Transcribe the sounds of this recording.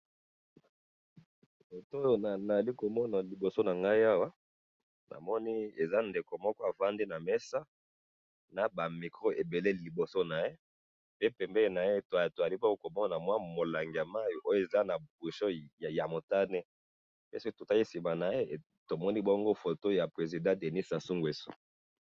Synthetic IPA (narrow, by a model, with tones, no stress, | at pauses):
fo˨to˦jo˦na˨na˨a˨li˦ko˨mɔ˦na˨li˨bo˨so˦na˨ŋɡa˦i˦a˦wa˦ | nʔa̰˨mɔ˦ni˦e˨za˦nde˨ko˨mɔ˦kɔ˦a˨va˦ndi˦na˨mɛ˦sa˦ | na˨ba˨mi˨kʁo˦ʔe˨be˨le˦li˨bo˨so˦na˨je˦ | pe˦pɛ˨mbe˦le˨na˨je˦to˨to˨za˨li˦bɔ˦ɡo˦ko˨mɔ˦na˨mwa˦mo˨la˨ŋɡi˨a˨ma˦jo˨ʔo˦jo˦e˨za˦na˨bu˨ʃo˦˨ja˨mo˨ta˦ne˦ | be˦sto˨ta˦ki˦si˨ma˨na˨je˦˨ | to˨mɔ˦ni˦bɔ˦ŋɡo˦fo˨to˦ja˨pʁe˨zi˨dã˦de˨ni˦sa˨su˦ŋɡe˨so̥̰˦